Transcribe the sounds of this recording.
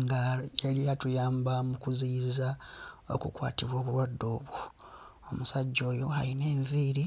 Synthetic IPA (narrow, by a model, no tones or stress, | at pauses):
ŋɡaelijatujaːmbamukuzizao̞̰kukwa̰ːtiβwo̞ːβuɾwadːo̞ːβwu | omusaɟːo̞ːjo̞haline̞ːɱviːɾi